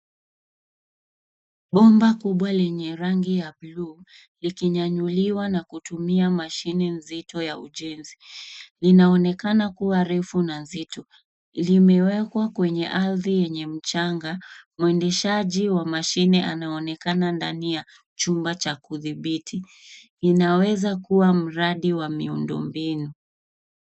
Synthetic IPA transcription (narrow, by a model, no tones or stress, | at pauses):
ɓɔmbakuɓwalɛɲɛɾaŋɡijabluː | likiɲaɲuliwanakutumiamaʃinɛnzitɔjauʄɛnzilinaɔnɛkanakuwaɾɛfunanzitɔ | limɛwɛkwakwɛɲɛʔaɾðijɛɲɛm̩t͡ʃaŋɡamuɛndɛʃaʄiwamaʃinɛʔanaɔnɛkanandanija | t͡ʃumbat͡ʃakuðiɓitʰi | inawɛzakuwam̩ɾaɗiwamiṵndɔ̰mbinu